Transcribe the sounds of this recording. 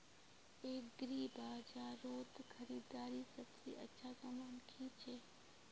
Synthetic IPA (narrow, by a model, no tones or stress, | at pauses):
eːk̚ɡɾiːbʱaːd͡ʒaːɾoːt̪kʰəɾiːd̪aːɾiːsəbsḭʔə̰tːʃʰazəmaːnkʰiːt͡ʃʰeː